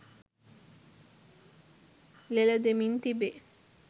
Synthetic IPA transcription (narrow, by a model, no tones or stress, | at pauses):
lelɐd̪emint̪ibe